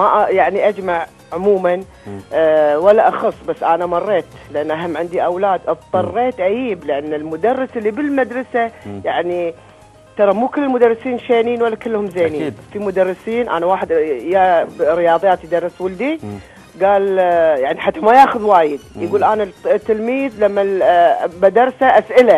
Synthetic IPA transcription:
maʔjaʕniʔad͡ʒmaʕ | ʕʊmuːman | walːaʔɑxɑsˤːbasːʔaːnamɑrˤːeːt̪lɪʔanːʔaɦamːʕɪnd̪iʔawlaːd̪ʔɑb̚t̪ˤɑrˤːeːt̪ʔajiːblɪʔanːɪlmʊd̪ɑrːɑsɪlːibɪlmad̪ɾˤɑsajaʕni | t̪ɑɾˤɑmuːkɪlːɪlmʊd̪ɑrˤːɪsiːnʃeːniːnwalːakɪlːhʊmzeːniːnfimʊd̪ɑrˤːɪsiːnʔa̰ːnawaːħɪd̪jaɾɪjɑːðˤjaːt̪jd̪ɑrˤːɪswʊld̪i | ɡaːljaʕniħat̪ːamajaːxʊðwaːjɪd̪jɡuːlʔaːnat̪ːɪlmiːðlamːa | bad̪ɑɾˤsaʔasʔɪla

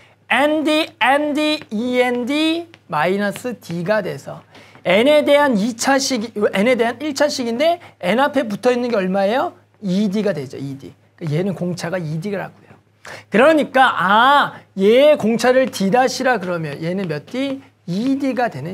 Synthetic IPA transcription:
endiendiiendimainʌs͈ʰɯtiɡadwe̞sʰʌe̞ne̞de̞ɦanit͡ɕʰaɕʰiɡiʔene̞de̞ɦaniɭt͡ɕʰaɕʰiɡinde̞enapʰe̞p̬utʰʌinːɯnɡeʌɭmaejʌ | idiɡadwe̞d͡ʑo̰idḭ | k͈aje̞nɯnkoŋt͡ɕʰaɡaidiɡɯɭɦa̰ɡujo | kɯɾʌɲik͈aʔajekoŋt͡ɕʰaɾɯɭtidaɕʰiɾakɯɾʌmjʌnje̞nɯnmjʌt͈i | idiɡadwe̞nɯ

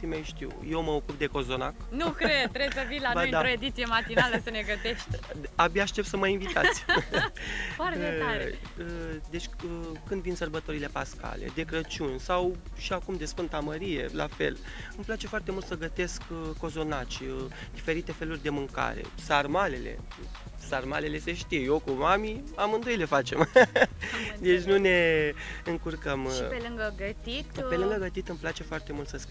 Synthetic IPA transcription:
t̪imajʃt̪ḭwjewməokup̚d̪e̞ko̞zo̞naknukɾed̪t̪ɾebsəvilanaojɨ̃naɾoed̪it̪sijemat̪inaləsəneɡət̪eʃt̪ʲabijaʃt̪e̞p̪̚səməinvit̪a̰t̪sʲ | faɾeaɾe | əd̪e̞t͡ʃʲəkɨnd̪vinsərbət̪o̞ɾile̞paska̰le̞̰d̪e̞kɾət͡ʃunʲsaw | ʃiakumd̪e̞sfɨnt̪aməɾije̞̰la̰fe̞̰l | ɨmplat͡ʃe̞foart̪e̞mult̪səɡət̪e̞skːo̞zo̞nat͡ʃd̪ife̞ɾit̪e̞fe̞lurʲd̪e̞mɨŋka̰ɾe̞̰sarmale̞le̞̰ | sarmale̞le̞se̞ʃt̪iejokumamiamɨnd̪o̞jle̞fat͡ʃe̞m | d̪et͡ʃʲnune̞ɨŋkurkəmielɨŋɡəɡət̪it̪pe̞lɨŋɡəɡət̪it̪ɨmplat͡ʃe̞foart̪e̞mult̪səsp

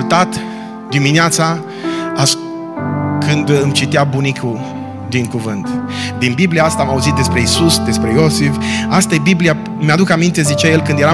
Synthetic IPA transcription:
lt̪at̪ | d̪imineat̪sa | a | kʰɨnd̪ɨmt͡ʃit̪eabunikʰu | d̪iŋkuvɨnt̪d̪inbibliaast̪amauzit̪̚d̪e̞spɾe̞isusd̪e̞spɾe̞jo̞sifast̪ajbiblia | mead̪ukamint̪e̞zit͡ʃajelkɨnd̪je̞ɾa

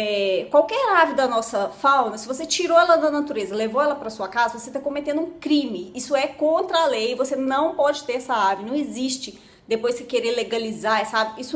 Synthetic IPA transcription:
ɛkwawkɛɾaɾvɪd̪ɐnɔsɐfawnɐsɪvoset͡ʃiɾoɛlɐd̪ɐnat̪uɾezɐlevoɛlɐpɾɐsuɐkazɐvoset̪akõmet̪ẽnd̪ʊũkɾĩmɪisʊɛkõnt̪ɾɐalejɪvosenɐ̃w̃pɔd͡ʒɪt̪eɾɛsɐaɾvɪnɐ̃w̃ɪziʃt͡ʃɪ | d̪epojskɪkeɾeleɡalizaɾɛsɐaɾvɪisʊ

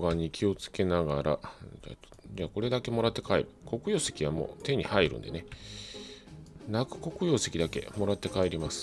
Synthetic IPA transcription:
ɡaɲ̟ikʲʰio̞t͡sɨ̥ke̞naɡaɾʔaa̰ | d͡ʑaːko̞ɾe̞d̪ake̞mo̞ɾat̪ːe̞kaḛɾɯ̟ko̞kɯ̟jo̞ːse̞̥kʲiβamo̰ːt̪e̞ɲ̟ihaiɾɯ̟̰̃nd̪e̞̰ne̞ | nakɯ̟̥ko̞kɯ̟jo̞ːse̞kʲid̪ake̞̰mo̞ɾat̪ːe̞kae̞ɾʲimasɨ̥

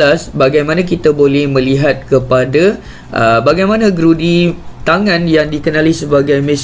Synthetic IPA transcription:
asbaɡajmãnãk̬it̪abolɛhmə̃liɦat̪̚kəpada | ʔəbaɡajmanãɡɾudit̪aŋãnjaŋdikənalisəbaɡajmə̃s

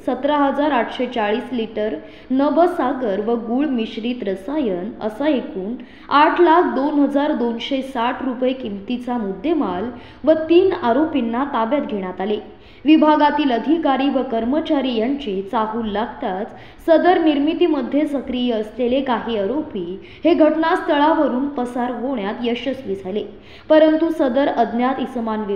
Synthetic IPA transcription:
sət̪ɾəɦəd͡zaɾaʈʰɕet͡saɭiːsliʈəɾ | nəbəsaɡəɾʋəɡuːɭmiɕɾiːt̪ɾəsajənə̰saekuːn | aʈʰlakʰd̪onɦəd͡zaɾd̪onɕesaʈʰɾupjekimt̪it͡samud̪ʱːemal | ʋət̪iːnaɾopinːat̪abjat̪ɡʱeɽ̃at̪ale | ʋibʱaɡat̪iːləd̪ʱikaɾiːʋəkəɾmət͡ɕaɾijaɲt͡ɕet͡saɦuːlːaɡt̪at͡s | səd̪əɾniɾmit̪iːməd̪ʱjesəkɾijeəslelekaɦiːaɾopiː | heɡʱəʈnast̪əɭaʋəɾuːnpəsaɾɦoɳjat̪jəɕəsʋid͡zʱajle | pəɾənt̪usəd̪əɾəd̪ʱnjat̪ismanʋ

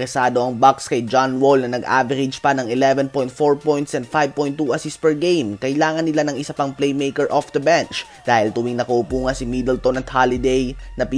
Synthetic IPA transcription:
ɾɛsaːd̪o̞ʔɐŋbakskɐjd͡ʒanwolnɐnɐɡʔa̰ːbɛɾɪd͡ʒpɐnɐŋɪlɛvɛnpɔjnt̪̚foɹpɔjnt̪sɛnd̪̚fajv̚poj̃nt̪ːuʔɐsispɛɹɡejmkɐjlaːŋɐnːɪlanɐŋʔɪsapɐŋplejmejkɛɹʔɔfd̪ɐbɛnt͡ʃ | d̪aːhɪlt̪ʊwiŋnɐkɐʔʊpuːŋɐnsɪmid̪ɛlt̪onɐt̪halɪd̪ejnɐpi

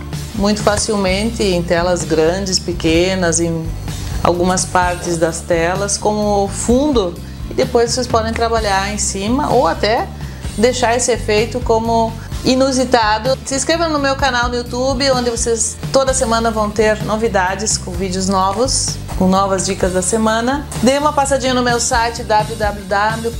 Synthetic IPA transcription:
mũj̃t̪ʊfasiwmẽnt̪ɪẽj̃t̪ɛlɐzɡɾɐ̃d͡ʒɪspekẽnɐzẽj̃a̰wɡũmɐspaɾt̪ɪzd̪ɐst̪ɛlɐskõmʊfũnd̪ʊ | ɪd̪epojzvosespɔd̪ẽj̃t̪ɾabaʎaɾẽj̃sĩmɐʔowat̪ɛ | d̪ejʃaɾesɪefejt̪ʊkõmʊ | inuzit̪ad̪ʊsɪ̃skɾevɐ̃nʊmewkanawd̪ʊut̪ubɪõnd̪ɪvosest̪od̪ɐsemɐ̃nɐvɐ̃w̃t̪eɾnovid̪ad͡ʒɪskõvid͡ʒɪʊznɔvʊs | kõnɔvɐzd͡ʒikɐzd̪ɐsemɐ̃nɐd̪ejũmɐpasad͡ʒĩɲɐnʊmewsajt͡ʃɪd̪ablʊd̪ablʊd̪abljʊ

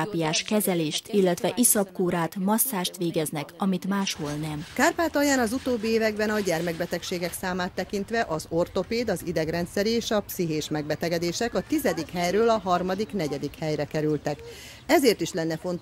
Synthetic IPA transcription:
aːpijaːʃkɛzɛleːʃt̪ilːɛt̪ʋɛʔisɒpkuːɾaːt̪mɒsːaːʃt̪ʋeːɡɛznɛkɒmit̪maːʃholnɛmkaːrpaːt̪ɒjaːnɒzut̪oːbːieːvɛɡbɛnɒɟɛrmɛɡ̚bɛt̪ɛkʃeːɡɛksaːmaːt̪ːɛkint̪ʋɛʔɒzo̞rt̪o̞peːd̪ɒzid̪ɛɡrɛnt̪sɛɾieːʃɒpsiɦeːʃmɛɡ̚bɛt̪ɛɡɛd̪eːʃɛkɒt̪izɛd̪ikhɛjrøːlɒɦɒrmɒd̪iknɛɟɛd̪ikhɛjrɛkɛɾylt̪ɛk | ɛzeːrt̪iʃlɛnːɛfo̞nt̪

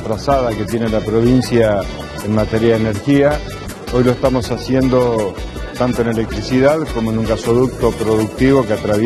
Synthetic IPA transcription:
t̪ɾasaðake̞t̪je̞nelapɾo̞β̞insja | enmat̪eɾjaðene̞ɾxia | o̞jlo̞est̪amo̞sasje̞nd̪o̞ | t̪ant̪o̞e̞ne̞le̞k̚t̪ɾisiðaðkomo̞enuŋkasoðuk̚t̪o̞pɾo̞ðuk̚t̪iβo̞keat̪ɾaβ

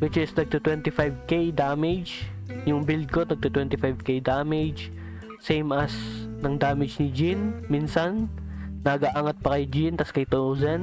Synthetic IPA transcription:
wɪt͡ʃɪsnɐɡ̚t̪ʊt̪wɛnt̪ɪfajvkejd̪amɛd͡ʒjʊŋbɪld̪̚konɐɡ̚t̪ut̪wɛnt̪ɪfajvkejd̪amɛd͡ʒ | sejmɐsnɐŋd̪aːmɪd͡ʒnɪd͡ʒinminsɐnːɐɡaʔaːŋɐt̪̚pɐkɐjd͡ʒint̪ɐskɐjt̪owzɛn

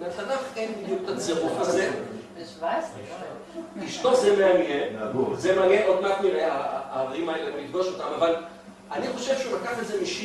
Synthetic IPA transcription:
metanafenbid̪juk̚t̪at͡seʁufaze | vas | kiʃto̞semleemieuzemaneʔod̪makmiʁeaaveʁimaelemmid̪ɡo̞ʃot̪amaval | aniχo̞ʃe̞vʃeulakaχezemiʃi

